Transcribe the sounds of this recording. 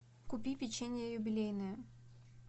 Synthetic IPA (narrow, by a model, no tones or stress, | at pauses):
kupʲipʲɪt͡ɕenʲɪjəjʊbʲɪlʲejnɨjə